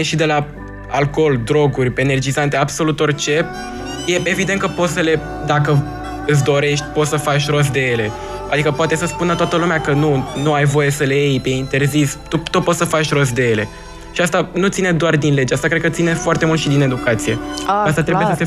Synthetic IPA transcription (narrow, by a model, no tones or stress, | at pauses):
eʃid̪e̞la | alko̞ld̪ɾo̞ɡurʲpene̞rd͡ʒizant̪e̞abso̞lut̪o̞rt͡ʃe̞ | je̞e̞vid̪enkəpo̞t̪səle̞ | d̪akə | ɨt̪s̬d̪o̞ɾe̞ʃt̪ʲpo̞t̪səfat͡ʃɾos̬d̪e̞je̞le̞ | ad̪ikəpoat̪e̞səspunlat̪oat̪əlumeakənunuajvo̞je̞səleejpeint̪e̞rzist̪ut̪opo̞t̪səfat͡ʃɾos̬d̪e̞je̞le̞ | ʃiast̪anut̪sined̪oard̪inle̞d͡ʒeast̪akɾe̞d̪̚kət̪sinefoart̪e̞mult̪ʃid̪ine̞d̪ukat̪sije̞ast̪at̪ɾebujese